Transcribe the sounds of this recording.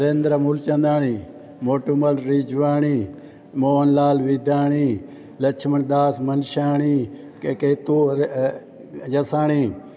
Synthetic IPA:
ɾeːnd̪ɾamult͡ʃɐ̃nd̪aːɳiː | moːʈuməlɾid͡ʒʋaːɳiː | moːnlaːlʋid̪aːɳiː | lɐt͡ʃʰməɳd̪aːsmənʃaːɳiː | keːt̪oː | d͡ʒɐsaːɳiː

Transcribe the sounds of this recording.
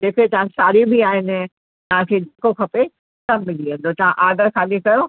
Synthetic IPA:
d͡ʑeːkʰet̪ɐʋ̤ãsaːɾibʱiaːɦɪnɪ̆ | t̪ɐʋ̤ãkʰeːd͡ʒʱɐkokʰɐpe | sɐ̃mmɪliə̃ːnd̪ot̪ɐʋ̤ãʔaːɖ̪əɾxaːlikɐjo

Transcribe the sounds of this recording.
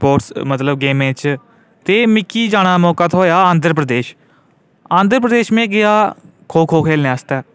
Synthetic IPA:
poːʈsmət̪ləbɡeːmẽːt͡ʃ | t̪eːmɪkːiːd͡ʒaːɽ̃aːmɔːkaːt̪ʰoːjaːãːnd̪əɾp̬ɾəd̪eːʃ | ãːnd̪əɾəpɾəd̪eːʃmẽːɡɪaː | kʰoːkʰoːkʰeːlneaːst̪ɛː

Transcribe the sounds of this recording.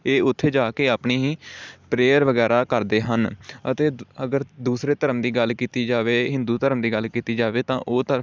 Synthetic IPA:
eːʊt̪ʰːeːd͡ʒaːkeːaːpɳiːɦĩːpɾeːəɾʋəɡɛːɾaːkəɾd̪eːɦənət̪eːəɡəɾd̪uːsɾeːt̪əɾəmd̪iːɡəlkiːt̪iːd͡ʒaːʋeːɦɪ̃nd̪uːt̪əɾəmd̪iːɡəlkiːt̪iːd͡ʒaːʋeːt̪ãːʔoːt̪ə

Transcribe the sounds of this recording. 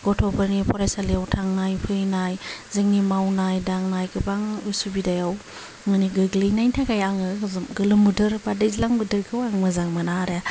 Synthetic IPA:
ɡ̥ɔtʰɔpaɾnipʰɔɾajsalejawtʰaŋnajpʰɯjnajzɯŋnimawnajdaŋnajɡɯbaŋujsubidajaw | ŋɯniɡɯɡlɯjnajtʰakajaŋɯzmɡɯlɯmudɯɾbadɯzlaŋbɯdɯɾkʰɯwaŋmɯzaŋmanaɾa

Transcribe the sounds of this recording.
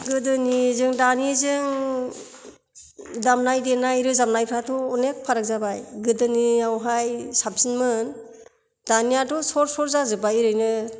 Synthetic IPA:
ɡɯdɯnizɯŋdanizɯŋ | damnajdenajɾɯzamnajpʰɾatʰɔːnek̚pʰaɾɯk̚zabajɡɯdɯniawɦajsap̚sinmɯn | danijatɔsɔɾsɔɾzazɯbajɾɯjnɯ

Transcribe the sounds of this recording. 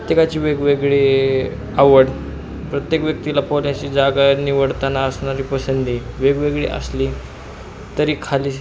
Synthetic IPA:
pət̪jekat͡ɕiːʋeɡʋeɡɭi | aʋəɽ | pɾət̪jekʋjək̚t̪ilapoljãt͡ɕiːd͡zaɡaniʋəɽt̪anaəsɳaɾiːpəsənd̪ʱiːʋeɡʋeɡɭḭʔə̰sliː | t̪əɾiːkʰaliː

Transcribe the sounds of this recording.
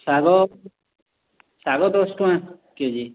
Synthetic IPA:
saɡɔ | saɡɔt̪ɔsʈoã | ked͡ʒi

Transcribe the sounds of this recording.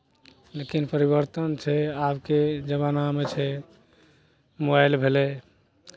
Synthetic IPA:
lekinpəɾiβəɾt̪ənt͡ʃʰɛabked͡ʒəbanamet͡ʃʰɛ | mobajlbʱelɛ

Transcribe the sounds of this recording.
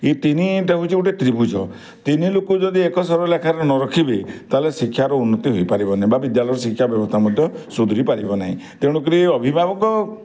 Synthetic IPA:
it̪iniʈaɦut͡ʃʰiuʈet̪ɾibud͡ʒɔ | t̪inilokud͡ʒɔd̪iekɔsɔɾbɔlekʰaɾɔnɔɾɔkʰibit̪alesikʰːjaɾɔunːɔt̪iɦojpaɾibɔnaɦĩbabid̪jalɔjɔɾɔs̬ikʰjabjɔbɔst̪ʰamɔd̪ʱjɔsud̪ʱuɾipaɾibɔna̰ɦḭ̃t̪eɽ̃uk̬iɾiɔbʱibʱabɔkɔ

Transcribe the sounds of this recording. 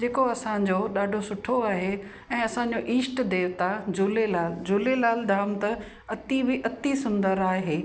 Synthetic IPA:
d͡ʑeːkoɐsãd͡ʑoɗaːɖʱosʊʈʰoaːɦe | ɛ̃ːɐsãɲd͡ʑoʔiːsʈd̪eːʋt̪ʰad͡ʑuːlelaːld͡ʑuːlelaːld̪ʱaːmt̪ɐ | ɐt̪ibʱɪʔɐt̪isʊ̃nd̪əɾaːɦeː

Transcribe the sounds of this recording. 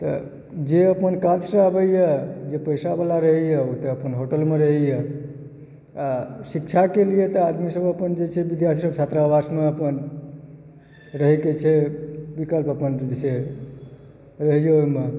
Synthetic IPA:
t̪ə̰ | d͡ʒeəpənkad͡ʒsə̃abəjjəd͡ʒepəjsabəlaɾəɦəjəot̪eəpənɦoʈəlmeɾəɦɛjə | asikt͡ʃʰakelijet̪əad̪misəbəpənd͡ʒet͡ʃʰɛbid̪jaɾt̪ʰisəbsʰat̪ɾabasmeəpən | ɾəɦɛket͡ʃʰɛbikəlpəpənd͡ʒese | ɾəɦjeojme

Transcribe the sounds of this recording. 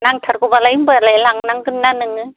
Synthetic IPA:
naŋtʰaɾkubalaimbɯlalaŋnaŋɡɯnnanɯŋɯ

